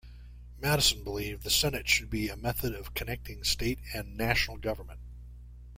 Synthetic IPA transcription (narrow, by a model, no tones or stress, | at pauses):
mæɾɨsn̩bəlivðɨsɛnɨtʃɨd̚biɨmɛθɨɾʌv̥kʰɨnɛk̚tɪ̃ŋsteɪɾɨ̃nːæʃnl̩ˠɡʌvə˞mɨ̃nt̚